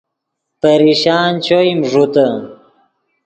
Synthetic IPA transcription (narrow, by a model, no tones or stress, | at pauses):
pəɾiɕaːnt͡ɕoimʐut̪ɐ